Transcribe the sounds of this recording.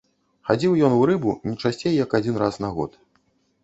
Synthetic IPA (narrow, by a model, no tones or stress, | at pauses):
xad͡zʲiwjɔnuɾɨbunʲit͡ʂasʲt͡sʲejjɐkad͡zʲinrasnaɣɔ̰t̪